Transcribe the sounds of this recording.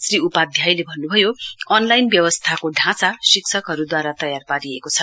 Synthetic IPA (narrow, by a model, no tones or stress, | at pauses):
sriupad̪ʱjajlebʱʌnːubʱʌjoʌnlajnbjʌwʌst̪ʰakoɖʱãt͡sasiksʰʌkɦʌɾud̪waɾat̪ʌjarpaɾiekot͡sʰʌ